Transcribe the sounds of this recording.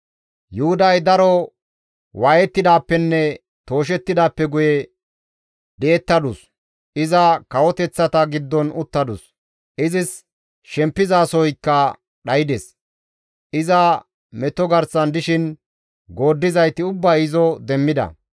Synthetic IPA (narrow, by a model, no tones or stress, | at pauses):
jʊhʊd̪ɐjd̪ɐɾɔ | waːjɛt̪ːɪd̪aːpːɛnːɛ | t̪o̞ːʃ̬ɛt̪ːɪd̪aːpːɛɡʊjɛ | d̪eːt̪ːɐd̪ʊs | ʔɪzɐkɐwɔt̪ɛt͡sːɐt̪ɐɡɪd̪ːɔnʊt̪ːɐd̪ʊ̰s | ʔɪzɪs | ʃɛmpːɪzaːsɔjkːɐ | ɗɐjɪd̪ɛs | ʔɪzɐ | mɛt̪ːɔɡɐɾsɐnd̪ɪʃɪn | ɡo̞ːd̪ːɪzɐjt̪ɪʊbːɐɪzɔd̪ɛmːɪd̪ɐ̰